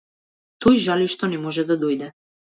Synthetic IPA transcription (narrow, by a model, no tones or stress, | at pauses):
t̪ojʒaliʃt̪ɔnɛmɔʒɛd̪ad̪ojd̪ɛ